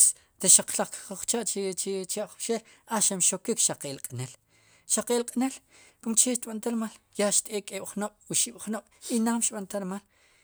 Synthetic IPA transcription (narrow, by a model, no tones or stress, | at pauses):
s | ɾeʃaq͡χlaχkχt͡ʃaʔt͡ʃt͡ʃaʔχʃelaʃamʃokikʃaqeʔlqʼnel | ʃaqeːlqʼnel | kumt͡ʃeʃt̪̚ɓant̪aɾmaljaʃt̪eːkʼeːɓ̥χnoɓ̥wuʃiɓ̥χnoɓ̥inaːmʃtɓant̪aɾmal